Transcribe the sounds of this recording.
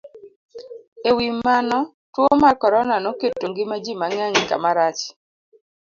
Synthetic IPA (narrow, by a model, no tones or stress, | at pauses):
ewimːanɔ | twomakɔɾɔnanoketːoŋɡɪmad͡ʒimaŋaŋka̰maɾat͡ʃ